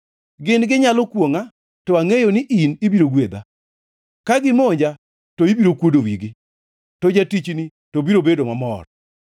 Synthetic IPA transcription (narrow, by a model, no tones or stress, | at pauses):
ɡɪnɡɪɲalɔkwoŋa | tɔaŋejonɪʔinibiɾoɡwed̪a̰ | kaɡɪmoɲd͡ʒa | toibiɾokwodowiɡɪ | tɔd͡ʒatit͡ʃni | tobiɾobedomamɔ̰r